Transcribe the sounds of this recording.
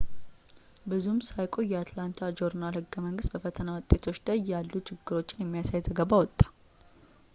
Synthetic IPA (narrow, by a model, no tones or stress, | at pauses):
bɨzumsajkʼo̞jːɛat̪lant̪ʰad͡ʒo̞ɾnalhɨɡːəməŋɡɨst̪̚bəfət̪ʰənawɔt̪ʼe̞t̪ʰo̞t͡ʃːd̪əjːalːut͡ʃʰɪɡːɨɾo̞t͡ʃːɪnjɛmːijasajzəɡəβawɔt̪ʼːḁ